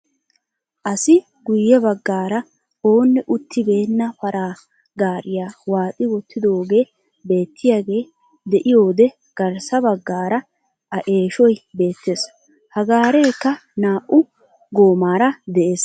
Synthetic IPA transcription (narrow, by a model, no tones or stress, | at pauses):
ʔɐsɪ | ɡʊjːɛbɐɡːaːɾɐ | o̞ːnːɛʔʊt̪ʰːɪbe̞ːnːɐfɐɾaː | ɡaːɾɪjaːwaːtʼɪwɔt̪ʰːɪd̪o̞ːɡe̞ː | be̞ːt̪ʰːɪjaːɡe̞ː | d̪ɛʔɪjo̞ːd̪ɛ | ɡ̥ɐɾsɐbɐɡːaːɾɐ | ʔɐʔe̞ːʃɔjbe̞ːt̪ːes | hɐɡaːɾe̞ːkːɐnaːʔʊ | ɡo̞ːmaːɾɐd̪ɛʔe̞ːs